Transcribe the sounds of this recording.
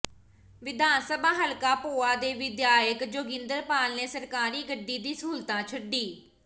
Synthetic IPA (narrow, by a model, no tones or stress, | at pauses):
ʋɪd̪aːnsəbʱaːɦəlkaːpoːaːd̪eːʋɪd̪jaːjəkd͡ʒoːɡɪ̃nd̪əɾpaːlneːsəɾkaːɾiːɡəɖːiːd̪ĩːsuːlt̪ãːt͡ʃʰəɖiː